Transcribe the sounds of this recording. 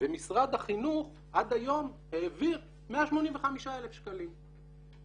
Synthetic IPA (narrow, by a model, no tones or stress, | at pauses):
b̥emisʁad̪aχinuχ | ʔad̪ajo̞mheːviʁ | meaʃmo̞nimveχamiʃaelefʃkalim